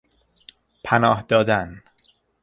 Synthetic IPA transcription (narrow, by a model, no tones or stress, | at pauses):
pʰænɒːhd̪̥ɒːd̪æn